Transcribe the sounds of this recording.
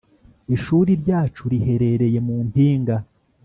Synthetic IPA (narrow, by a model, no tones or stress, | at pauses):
iʃuːɾiɾɟaːt͡ʃuɾihe̞ɾe̞ɾe̞je̞muːmpiːŋɡa